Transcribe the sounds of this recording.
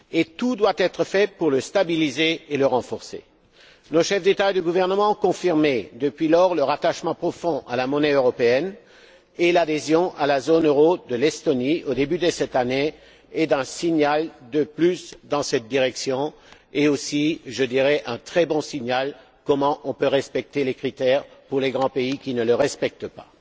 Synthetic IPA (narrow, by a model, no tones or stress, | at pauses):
et̪ud̪wat̪ɛt̪χəfɛpuʁləst̪abilizeːləʁɑ̃fɔʁsḛ | noʃɛfd̪et̪aed̪yɡuvɛʁnəmɑ̃ɔ̃kɔ̃fiʁmed̪əpɥilɔʁləʁat̪aʃmɑ̃pχɔfɔ̃ʔalamɔnɛøʁɔpeɛn | elad̪ezjɔ̃ʔalazonøʁod̪əlɛst̪ɔniod̪ebyd̪əsɛt̪aneː | d̪ɛ̃siɲald̪əplysd̪ɑ̃sɛt̪̚d̪iʁɛksjɔ̃ | eosiʒəd̪iʁɛʔɛ̃t̪χɛbɔ̃siɲal | kɔmɑ̃ʔɔ̃pøʁɛspɛk̚t̪elekχit̪ɛʁpuʁleɡʁɑ̃peikʲinələʁɛspɛk̚t̪əpa